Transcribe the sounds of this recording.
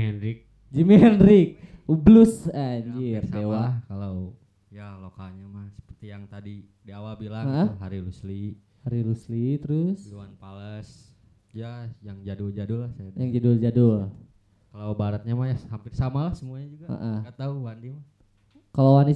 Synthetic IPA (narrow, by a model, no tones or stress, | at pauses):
ɛnɾɪk̚ | d͡ʒimɦɛnɾɪk̚ublusaɲd͡ʒirsewakalaw | jalokaɲamahsə̥pərt̪ijaŋt̪adidiawabilaŋaʔəɦaɾilusli | haɾiluslit̪əɾʊsluwanpaləs | jajaŋd͡ʒadʊld͡ʒadʊlːahsajajaŋd͡ʒadʊld͡ʒadʊl | kalawbaɾət̪̚ɲamajahhampɪrsamalahsəmuaɲad͡ʒuɡaə̰ʔəɡat̪auwandima | kalawani